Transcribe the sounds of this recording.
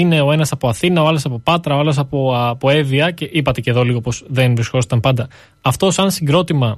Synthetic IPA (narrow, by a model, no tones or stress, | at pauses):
ine̞o̞e̞nɐsɐpo̞ɐθinɐoɐlosɐpo̞pɐt̪ɾɐoɐlos̬ɐpopo̞e̞viɐce̞ʔipɐt̪e̞ce̞ðo̞liɣopo̞zðenvɾisko̞st̪ɐmpɐnd̪ɐː | ft̪o̞sɐnsiŋɡɾo̞t̪imɐ